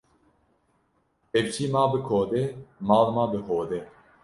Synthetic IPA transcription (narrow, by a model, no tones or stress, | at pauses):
evt͡ʃʰiːmaːbɨkʰoːd̪emɑːlmaːbɨɦoːd̪e